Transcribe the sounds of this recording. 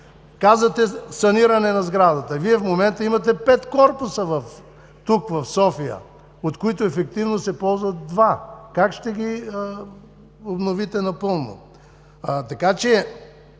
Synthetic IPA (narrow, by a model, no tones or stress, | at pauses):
kazvət̪ɛsɐniɾɐnɛnɐzɡɾad̪ɐt̪əviɛfmomɛnt̪əimɐt̪ɛpɛt̪kɔɾpʊsəvɐf | t̪ukvɐfsɔfijə̰ | ot̪kʊit̪ʊɛfɛk̚t̪ivnosɛpɔlˠzvɐt̪̚d̪vakakʃt̪ɛɡʲi | obnovit̪ɛnɐpɤlˠno̰ | t̪ɐkat͡ʃɛ